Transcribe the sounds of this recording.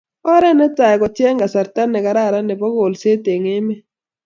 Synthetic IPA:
ɔ˦ɾɛ˦nɛ˦ta˨kɔ˨tjɛ˦ŋɡa˨sa˨ɾta˦nːɛ˨ka˨ɾa˦˨ɾa˦nɛ˨pɔ˦ɡo˨lse˦te˨ŋe˦me˦

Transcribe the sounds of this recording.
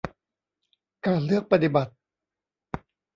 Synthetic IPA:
kaː˧nlɯ˥˩ək̚pa˧t̪i˨˩ba˨˩t̪̚

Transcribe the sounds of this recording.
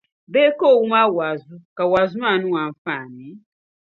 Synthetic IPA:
bɛ˦kɔ˦˨wu˦ma˦wa˨zu˦ka˨wa˨zu˦ma˦˨nũ˦wa˨ɱ˨˦faː˦˨ni˨˦

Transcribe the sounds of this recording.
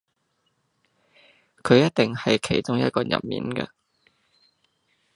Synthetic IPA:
kʰɵ˨˧jɐ˥t̚t̪ɪ˨ŋhɐ˨jkʰe˨˩jt͡sʊ˥ŋjɐ̰˥t̚kɔː˧jɐ̰˨˩p̚mḭː˨˥nkɐ̰˧

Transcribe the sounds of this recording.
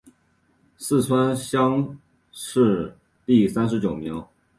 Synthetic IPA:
sɹ̩˥˩t͡sʰwa˥nɕjɑ˥ŋ | ʂɻ̩˥˧ | t̪i˥˩sa˥nʂ̬ɻ̩˧˥t͡ɕjo˨˩ʊmji˧˥

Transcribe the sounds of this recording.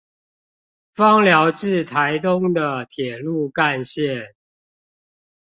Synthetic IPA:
fɑ˦ŋljɑ˧˦ʊʈ͡ʂɻ̩˥˨t̪ʰa˨˦ɪt̪ʊ˦ŋd̪ə˨t̪ʰjɛ˨˩lu˥˨ka˥˨nɕjɛ˥˨n

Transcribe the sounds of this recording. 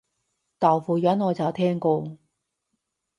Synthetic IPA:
t̪aː˨˩wfuː˨˩jœː˨˥nŋɔː˨˧t͡sɐ˨˩wt̪ʰɛː˥ŋko˧

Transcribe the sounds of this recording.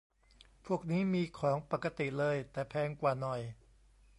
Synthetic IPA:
pʰu˥˩ək̚niː˦˥˩miː˧kʰɔː˩˦ŋpa˨˩kːa˧t̪i˨˩lɤː˧jt̪ɛː˨˩pʰɛː˧ŋkwaː˨˩nɔ˨˩j

